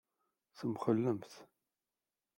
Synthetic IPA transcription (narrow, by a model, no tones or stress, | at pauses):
θəmχəlːəmθ